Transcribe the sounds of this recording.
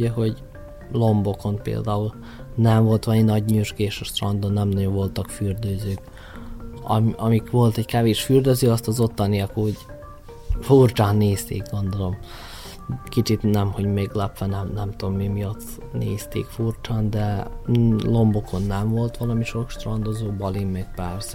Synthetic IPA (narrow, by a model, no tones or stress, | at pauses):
ɛɦo̞ɟ | lo̞mbo̞ko̞npḛːld̪aːul | nɛɱvo̞lt̪ʋɒlɒminɒɟɲuʒɡeːʃɒʃt̪rɒnd̪onːɛmnɒɟoɱvo̞lt̪ɒkfyrd̪øːzøːk | ɒ̰ɒmikʋo̞lt̪ɛɟkɛveːʃfyːrd̪øzøːɒst̪ɒzo̞t̪ːɒnijɒkoɟ | furt͡ʃaːnːeːst̪ḛːkɡo̞nd̪o̞lo̞m | kit͡ʃit̪nɛmho̞ɟmeːɡlɛpʋɛnɛmnɛmt̪uomːimijɒt̪ː | nḛːst̪ḛːkfurt͡ʃaːnd̪ɛ | lo̞mbukʰo̞nːɛmvo̞lt̪ʋɒlɒmiʃo̞kʃt̪rɒnd̪ozoːbɒlimːɛk̚pɛs